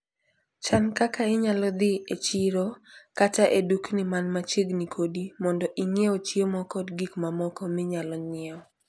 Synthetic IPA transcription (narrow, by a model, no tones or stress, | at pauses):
t͡ʃankakaɪɲalɔd̪ɪet͡ʃiɾokataʔeduknɪmanmat͡ʃeɡnikʰodimɔndɔʔiŋeot͡ʃiomɔkɔdɡikmamɔkɔmɪɲalɔɲɪɛɔ